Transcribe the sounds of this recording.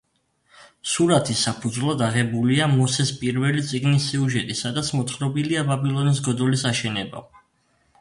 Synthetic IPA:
suɾat̪ʰisapʰud̪zvlˠad̪aʁɛbuliamɔsɛspʼiɾvɛlit̪sʼiɡnisːiuʒɛt̪ʼisad̪at̪sʰmɔt̪ʰχɾɔbiliababilˠɔnis̬ɡɔd̪ɔlisaʃɛnɛba̰

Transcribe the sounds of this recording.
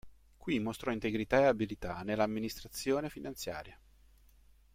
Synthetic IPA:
kwimːost̪ɾɔint̪eɡɾit̪aeabilit̪anelːaːmːinist̪ɾat̪sːjoːnefinant̪sja̰ːɾja

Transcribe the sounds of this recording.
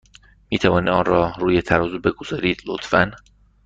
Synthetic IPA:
miːt̪ʰævɒːniːd̪ɒːnrɒːɾuːjet̪ʰæɾɒːzube̞ɡoz̥ɒːɾiːd̪̥lot̪fæ̰n

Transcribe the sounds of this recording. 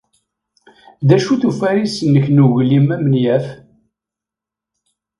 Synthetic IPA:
ðæʃuθufæɾisənːəçnuʝlimæmənjæf

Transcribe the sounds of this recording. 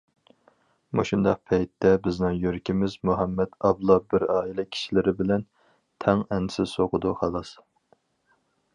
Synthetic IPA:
mo̰ʃund̪ɑq̚pʰɛjt̪ːɛbɪznɪŋjøɾkʲʰimɪzmuɦɑmːɛd̪ɑblˠɑbɪɾɑːilɛkʲʰi̥ʃilɪɾɪbɪlɛn | t̪ʰɛŋɛnsɪzsoqʰʊd̪uhɑlˠɑs

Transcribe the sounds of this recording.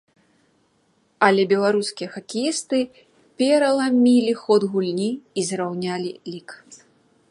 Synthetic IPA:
ɐlʲɛbʲɛlˠaɾuskʲijɐxɐkʲijist̪ɨ | pʲɛɾɐlˠamʲilʲixɔd̪ɣulʲnʲiːzɾawnʲalʲilʲik

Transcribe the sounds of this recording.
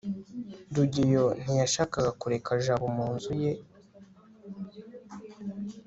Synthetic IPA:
duɟijo̞n̥ijaʃaːkaɡakuɾe̞kʰaʒaβumuːnzuje

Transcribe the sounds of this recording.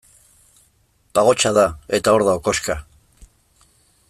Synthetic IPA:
baɣo̞t͡ʃaðae̞t̪ao̞ɾðaoko̞ska

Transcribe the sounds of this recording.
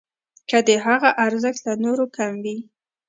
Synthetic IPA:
kad̪əɦaɣaʔaɾzəxt̪lanoɾokamwi

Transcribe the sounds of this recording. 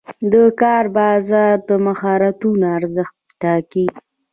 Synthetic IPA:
d̪əkɑɾbɑzɑɾd̪əmaxɑɾat̪unaaɾzəxt̪̚ʈɑki

